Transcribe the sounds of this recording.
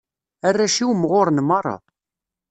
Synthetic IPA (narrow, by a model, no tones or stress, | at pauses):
ærːæʃiwmʁoɾnmɑrˤːɑ̰